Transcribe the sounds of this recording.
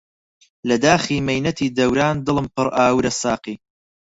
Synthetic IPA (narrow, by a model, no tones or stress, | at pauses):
lɐd̪aːxiːmɐjnɐt̪ʰiːd̪ɐwɾaːnd̪ɨlˠɨmpɨɾʔaːwɾɐsaːqiː